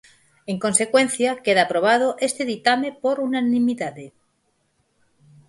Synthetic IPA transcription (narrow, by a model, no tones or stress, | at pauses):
eŋko̞nse̞kwe̞nθjakeðapɾoβ̞að̞oʔest̪eðit̪amepoɾunanĩmiðaðe